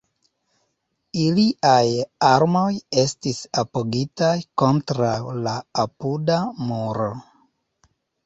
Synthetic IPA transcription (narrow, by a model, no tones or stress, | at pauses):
iliʔajaɾmo̞je̞stisapoɡitajko̞ntɾawlaːpudamuɾo